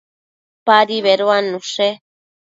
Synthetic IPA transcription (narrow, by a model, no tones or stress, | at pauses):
paɾiβeɾoanũʂe